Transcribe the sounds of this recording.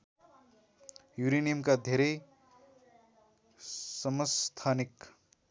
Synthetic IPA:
juɾinijʌmkad̪ʱeɾʌj | sʌmʌst̪ʰanik

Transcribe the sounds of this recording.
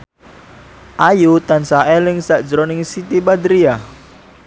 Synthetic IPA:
ʔajut̪ansaʔelɪŋsaʔd̥d͡ʒəɾonɪŋsit̪ibad̪ɾia

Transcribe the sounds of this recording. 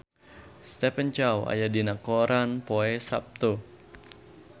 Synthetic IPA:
st̪ɛpəɲt͡ʃawa̰jadinakoɾanpoɛsa̰p̚t̪u

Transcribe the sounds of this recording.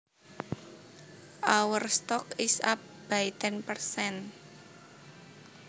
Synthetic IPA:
ʔawərst̪ɔkisap̚b̥ait̪ɛnpərsɛn

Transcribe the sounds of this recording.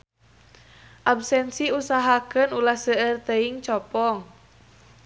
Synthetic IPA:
ʔabsɛnsiusaɦakənulahsəərt̪əiŋt͡ʃɔpɔŋ

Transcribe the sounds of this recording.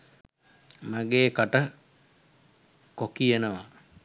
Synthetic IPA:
maɡeːkaʈə | kokienəʋa

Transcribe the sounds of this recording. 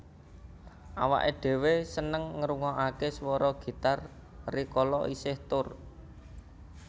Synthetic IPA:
ʔawa̰ʔeɖ̥e̤wesənəŋːəɾuŋɔʔakeswɔɾɔɡ̥i̤t̪ar | rikɔlɔʔisɪht̪ʊr

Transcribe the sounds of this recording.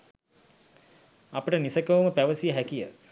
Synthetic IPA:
apəʈənisəkəʋuməpæʋəsijəɦækijə

